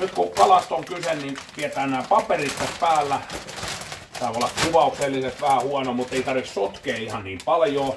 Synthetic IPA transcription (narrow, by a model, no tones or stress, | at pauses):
nyt̪kukɑlɑst̪oŋkysennint̪iet̪æːnnæːpɑperit̪ːeppæːlːæ | t̪ɑolːɑkkuʋɑukselːiset̪ʋæhæhuɑnomut̪ːeit̪ɑrʋissot̪keːihɑnniːmpɑljoː